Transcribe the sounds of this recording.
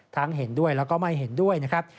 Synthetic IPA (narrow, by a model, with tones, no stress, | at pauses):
t̪ʰaː˦˥ŋɦe˩˦ndu˥˩əjlɛː˦˥wkɔː˥˩ma˥˩jɦe˩˦ndu˥˩əjna˦˥kʰɾa˦˥p̚